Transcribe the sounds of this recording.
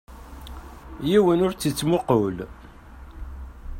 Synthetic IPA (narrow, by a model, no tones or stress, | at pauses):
jiwənʊɾt͡sːət͡sːmʊqol